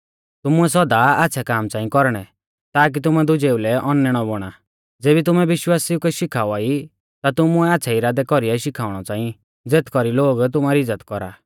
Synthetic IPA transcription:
t̪ʊmʊɛsɔd̪aatːʃʰakaːmt͡sãːĩkɔɾɽ̃ɛ | t̪aːk̬it̪̬ʊmɛd̪ʊd͡ʒeːulɛʔɔnːɛɽ̃ɔbɔɽ̃a | d͡zeːbit̪̬ʊmɛʋɪʃwaːsiukɛʃɪkʰaːuaːi | t̪at̪ʊmʊɛatːt͡ʃʰaiɾaːd̪ɛkɔɾiaiʃɪkʰaːʊɽ̃ɔt͡sãːĩ | d͡zeːt̪ʰkɔɾiloːɡt̪̬ʊmaɾiɪd͡zːət̪kɔɾa̰ː

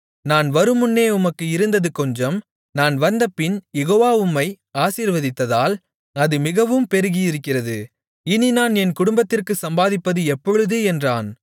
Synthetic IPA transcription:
naːnʋɐɾɯmʊnːeːʊmɐkːɯɪɾɯnd̪ɐðɯkɔɲd͡ʒɐm | naːnʋɐnd̪ɐpːɪnjɛɣoːʋaːʊmːɐɪ | aːsiːɾʋɐðɪt̪ːɐðaːl | ɐðɯmɪɣɐʋɯmpɛɾɯɣijɪɾɯkːɪrɐðɯ | ɪninaːnɛnkʊɽʊmbɐt̪ːɪrkɯsɐmbaːðɪpːɐðɯɛpːɔɻɯðɯɛndraːn

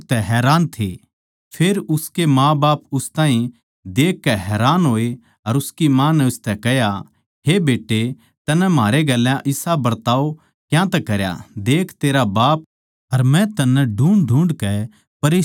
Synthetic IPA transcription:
t̪ɛɦɛːɾaːnt̪ʰe | pʰeːɾʊskemãbaːpʊst̪ãːɦĩ | d̪eːkːɛɦɛːɾaːnɦoːe | ɐɾʊskimãːnɛʊst̪ɛkɛɦja | ɦebeːʈːe | t̪ɐnɛmaːɾeɡɛlːjãʔɪsabɐɾt̪aːo | kjãt̪ɛkɐɾja̰d̪eːkʰt̪eːɾabaːp̚ | ɐɾmɛ̃t̪ɐnːɛ̃ɖʱũːɳɖʱũːɳɖkɛ | pɐɾeː

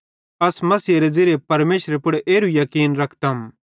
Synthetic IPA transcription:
ɐsmɐsiːɾed͡zɪɾepɐɾmeːʃɾepʊɽeʔeːɾujɐkiːnɾɐkʰt̪ɐm

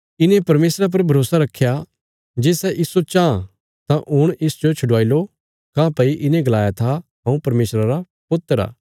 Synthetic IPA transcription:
ɪnẽpɐɾmeːsɾap̬ɐɾbʱɐɾoːsaɾɐkʰːja | d͡ʒeːsɛʔɪsot͡ʃãː | t̪ãʔʊɽ̃ɪsd͡ʒot͡ʃʰʊɽʋaːilo | kãpɐiʔɪnẽɡɐlaːjat̪ʰaɦɐ̃ũpɐɾmeːsɾaɾa | pʊt̪ːəɾa̰ː

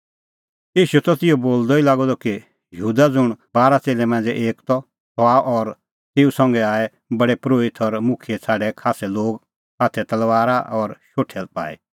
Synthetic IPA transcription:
jiːʃut̪ɔt̪ɪjoboːld̪ɔilaːɡɔd̪ɔki | jəɦuːd̪ad͡zʊɽ̃baːɾat͡seːlɛmɛ̃nd͡zɛʔeːkt̪ɔ | t̪ɔaʔɔɾ | t̪eːusɔ̃ŋɡɛaːɛ | bɐɽɛpɾoːɪt̪ʰɔɾmʊ̃kʰɪjɛt͡sʰaːɖɛkʰaːsɛloːɡ | aːt̪ʰɛt̪ɐlʋaːɾaʔɔɾʃoːʈʰɛlpa̰ːḭ

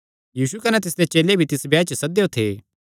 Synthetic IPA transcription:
jiːsukɐnɛt̪̬ɪs̬d̪et͡ʃeːlebʱit̪ɪsbɛːt͡ʃəsɐd̪eot̪ʰeː

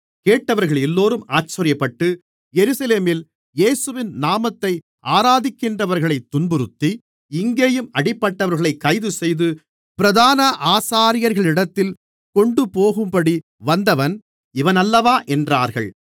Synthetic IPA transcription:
keːʈːɐʋɐɾɣɐɭɛlːoːɾɯmaːt͡ʃːɐɾɪjɐpːɐʈːɯ | jɛɾɯsɐleːmɪl | jeːsɯʋɪnnaːmɐt̪ːɐɪ | ʔaːɾaːðɪkːɪndrɐʋɐɾɣɐɭɐɪt̪ːʊnbɯɾɯt̪ːi | ɪŋɡeːjɯmɐɽɪpːɐʈːɐʋɐɾɣɐɭɐɪkːɐɪðɯsɛjðɯ | pɪɾɐðaːnɐʔaːsaːɾɪjɐɾɣɐɭɪɽɐt̪ːɪl | kɔɳɖɯpoːɣɯmpɐɽi | ʋɐnd̪ɐʋɐn | ɪʋɐnɐlːɐʋaːʔɛndraːɾɣɐ̰ɭ

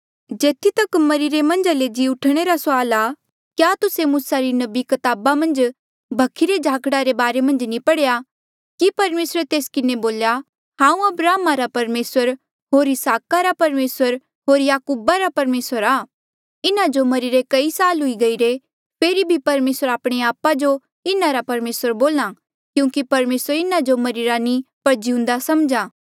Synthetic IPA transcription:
d͡ʒeːt̪ʰit̪ɐkmɐɾiɾemɐ̃nd͡ʒaled͡ʒiʊʈʰɽ̃eɾasʊaːla | kjat̪ʊsemuːsaɾinɐbikɐt̪aːbamɐ̃nd͡ʒ | bʱɐkʰːiɾed͡ʒʱaːkɽaɾebaːɾemɐ̃nd͡ʒnĩpɐɽeja | kipɐɾmeːsɾet̪eːskɪneboːlja | ɦãːũɐbɾaːmaɾapɐɾmeːsəɾ | ɦoːɾɪsaːkaɾapɐɾmeːsəɾ | ɦoːɾjaːkuːbaɾapɐɾmeːsəɾaː | ɪnad͡ʒomɐɾiɾekɐisaːlɦʊiɡɐiɾe | pʰeːɾibʱipɐɾmeːsəɾaːpɽ̃eaːpad͡ʒo | ɪnaɾapɐɾmeːsəɾboːla | kjũːkipɐɾmeːsəɾɪnad͡ʒomɐɾiɾanĩpɐɾd͡ʒiũnd̪asɐmd͡ʒãː

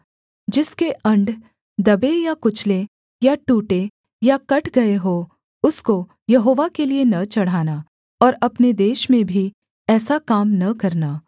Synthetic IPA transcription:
d͡ʒɪskeʔɐ̃ɳɖ | d̪ɐbejakʊt͡ʃʰle | jaʈuːʈe | jakɐʈɡɐeɦoː | ʊsko | jɐɦoːʋakelienɐt͡ʃɐɽ̤aːna | ɔːɾɐpned̪eːʃmẽbʱi | ɛːsakaːmnɐkɐɾnaː

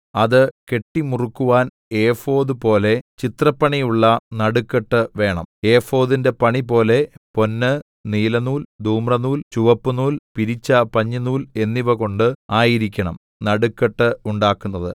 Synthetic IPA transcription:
ɐðɨke̞ʈːimurukːuʋaːn | eːfo̞ːðɨpo̞ːle̞t͡ɕit̪rɐpːɐɳijuɭːɐnɐɽukːɐʈːɨʋe̞ːɳɐ̰me̞ːfo̞ːðinde̞pɐɳipo̞ːle̞po̞nːɨ | niːlɐnuːld̪ʱuːmrɐnuːlt͡ɕuʋɐpːunuːlpiɾit͡ɕːɐpɐɲːɐnuːle̞nːiʋɐko̞ɳɖɨaːjiɾikʲːɐɳɐm | nɐɽukːɐʈːɨuɳɖaːkːunːɐðɨ

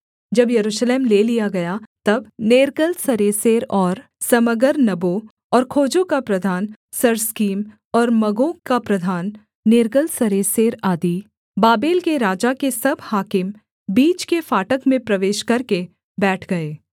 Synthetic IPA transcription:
d͡ʒɐbjɐɾuːʃleːmleːlijaɡɐjat̪ɐbneːɾkəlsɐɾeːseːɾɔːɾ | sɐməɡəɾnɐbo | ɔːɾkʰoːd͡ʒõkapɾɐd̪ʱaːn | sɐɾskiːm | ɔːɾmɐɡõkapɾɐd̪ʱaːnː | eːɾkəlsɐɾeːseːɾaːd̪i | baːbeːlkeɾaːd͡ʒakesɐbhaːkɪm | biːt͡ʃkefaːʈəkmẽpɾɐʋeːʃkɐɾke | bɛːʈʰɡɐeː

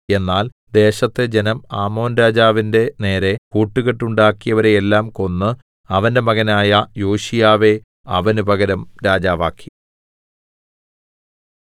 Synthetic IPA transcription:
e̞nːaːl | d̪e̞ːɕɐt̪ːed͡ʑe̞nɐmaːmo̞ːnɾaːd͡ʑaːʋinde̞ne̞ːɾe̞kuːʈːuɣeʈːuɳɖaːkːijɐʋɐɾe̞ːlːaːmko̞nːɨ | ɐʋɐnde̞mɐɣɐnaːjɐjoːɕijaːʋe̞ | ɐ̰ʋɐnubʱɐɣɐɾɐmɾaːd͡ʑaːʋaːkːi̥

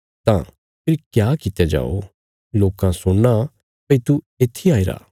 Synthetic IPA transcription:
t̪ã | pʰɪɾikjaːkɪt̪ed͡ʒa̰ːo̰ | loːkãsʊɽːa | pɐit̪u | eːt̪ʰːiaːiɾa̰ː

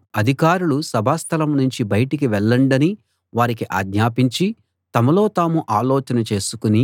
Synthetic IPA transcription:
ɐd̪ʱikaːɾulusɐbʱaːst̪ʰɐlɐmnuɲt͡ʃibɐjʈik̬iʋɛɭːɐɳɖɐni | ʋaːɾikiʔa̰ːɡɲaːpiɲt͡ʃi | t̪ɐmɐlo̞ːt̪aːmuʔaːloːt͡ʃɐnɐt͡ʃe̞ːsukuni

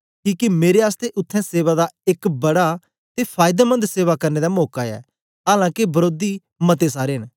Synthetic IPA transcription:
kiːkemeːɾeaːst̪eʔʊt̪ʰːɛ̃ːseːβaːd̪aɪkbəɽa | t̪epʰaːɪd̪eːmə̃nd̪seːʋakəɾneːd̪amɔːkaːɛ̰ː | ɦaːlãːkebəɾoːd̪i | mət̪es̬aːɾeɦən

